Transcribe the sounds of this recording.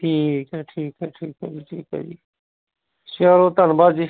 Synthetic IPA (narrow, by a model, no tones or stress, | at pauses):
ʈʰiːkʈʰiːkaʈʰiːkad͡ʒiːʈʰiːka̰d͡ʒi | ʃaːɾoːt̪anbaːd͡ʒi